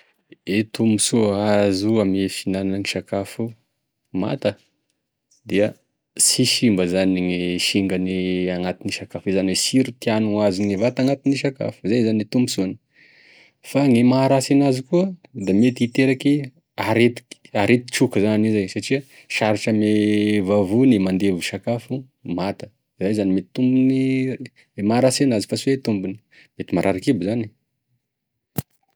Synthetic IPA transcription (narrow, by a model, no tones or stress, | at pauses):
et̪umusuazuamefinannəŋiʃakafu | ma̰t̪ə | d̪iə | siʃimbəzaniŋeʃiŋɡaniaŋat̪iniʃakafizanwesiɾit̪ianuŋaziŋevat̪aŋat̪iniʃaka̰fuzajzanet̪umusuni | faŋemaɾasinazikuəd̪amet̪iit̪eɾaki | aɾet̪i̥aɾet̪i̥t͡ʃukəzanizajsaʈ͡ʂia | ʃaɾiʈ͡ʂəmevavunimand̪evuʃakafu | mat̪ə̥ | zajzanimet̪i̥t̪umbuni | emaɾasenazifasiwet̪umbuni | met̪imaɾʔaɾakibuzani